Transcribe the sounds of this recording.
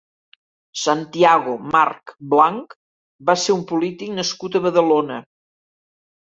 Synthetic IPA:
sant̪iaɣ̞umarkblaŋk | baseumpulit̪iknəskut̪əβəðəlonə

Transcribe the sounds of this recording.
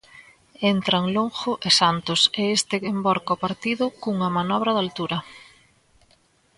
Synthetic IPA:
ent̪ɾɐŋloŋxʊʔesant̪ʊseest̪ɪembɔɾkaopaɾt̪iðʊkuŋɐmanɔβ̞ɾɐðalt̪uɾɐ

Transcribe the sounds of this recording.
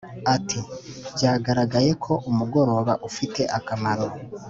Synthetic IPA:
atʰibɟaːɡaɾaɡaje̞kʰo̞ʔumuɡo̞ɾo̞βaʔufite̞ʔakamaɾo

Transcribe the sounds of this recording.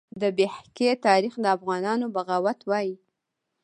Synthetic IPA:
d̪əbehket̪ɑɾixd̪əafɣɑnɑnobaɣɑwat̪wɑji

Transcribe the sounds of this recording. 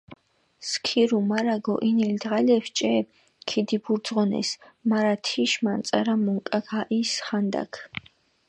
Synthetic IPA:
skʰiɾumaɾaɡɔ̰ʔinild̪ʁalɛft͡ʃʼɛ | kʰid̪ibuɾd̪zʁɔnɛ̰smaɾat̪ʰiʃmant̪sʼa̰ɾamuŋkʼakaʔisχand̪a̰kʰ

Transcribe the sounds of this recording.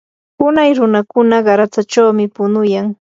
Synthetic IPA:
ʊnajɾʊnakʊnaɢɑɾat͡sat͡ʃawmɪpʊnʊjaŋ

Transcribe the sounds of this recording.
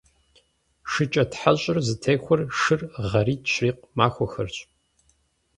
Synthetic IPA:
ʂɨt͡ʃʼɐtħaɕʼɪrzɨtʰeːxʷɔrʂɨrʁɐɾiːtʰɕriːq̚maːxʷɔxɐ̰rt͡ɕʼ

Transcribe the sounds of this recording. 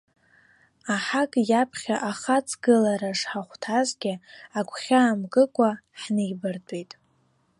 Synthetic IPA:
aħakʼjapʰχʲaʔaχat͡sʰʼɡɨlaɾaʂħaχʷtʰazɡʲɪakʷʰʼχʲaːmɡɨkʷʼaħnejbɨrtʼejtʼ

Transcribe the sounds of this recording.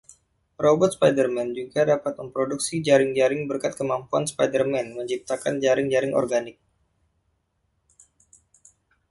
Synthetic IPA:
robɔt̪̚spajdərmɛnd͡ʒuɡadapat̪̚məmpɾoduk̚sid͡ʒaɾɪŋd͡ʒaɾɪŋbərkat̪̚kəmampuanspajdərmɛnməɲt͡ʃip̚t̪akand͡ʒaɾɪŋd͡ʒaɾɪŋʔɔ̰rɡanɪk̚

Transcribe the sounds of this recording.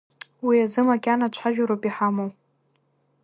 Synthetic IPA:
wiazɨmakʲʼanat͡ʃʷʰaʒᶣaɾopʼiħamow

